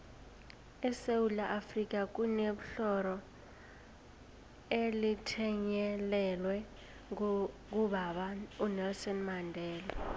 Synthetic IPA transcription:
ɛsewulaʔafrik̬ʼak̬ʼuneɓuɬɔɾɔ | elitʰɛɲɛlɛlwɛ | k̬uɓaɓaunɛlsɔnmandʱɛːlɛ

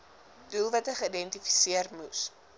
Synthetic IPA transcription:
dulˠvɐtəχəidɛntifi̥siərmus

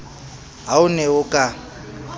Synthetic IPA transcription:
ɦaʊnɛʊkʼa

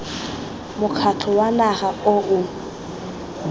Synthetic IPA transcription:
mʊkʰat͡ɬʰɔwanaχaʊʔʊ

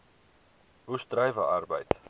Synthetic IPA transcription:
ɦustrɛjvə̰ɐrbə̰jt

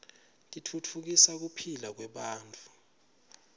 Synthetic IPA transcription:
kʼitʰutʰuk̬isak̬upʰilak̬wɛɓaːntʼu̥

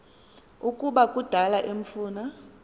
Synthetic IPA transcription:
ukʼuɓakʼud̥ʱalaʔem̩fuːna

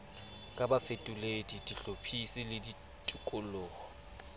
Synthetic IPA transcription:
kʼabafetʼuledidiɬopʰisɪlɪdi | tʼʊkʼʊlʊːɔ

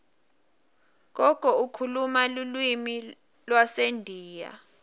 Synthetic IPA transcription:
k̬ɔkʼɔukʰulumalulwimi | lwasendʱiːja̰

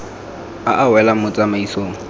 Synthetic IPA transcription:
aʔawɛlamʊt͡sʼamaisoːŋ̩

